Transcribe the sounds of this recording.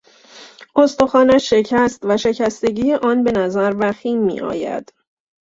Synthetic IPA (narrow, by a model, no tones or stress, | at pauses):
ʔo̞st̪oxɒːnæʃːe̞cʰæst̪væʃe̞cʰæst̪e̞ɟiːjeʔɒːnbe̞næzæɾvæxiːmmḭːʔɒ̰ːjæ̰d̪̥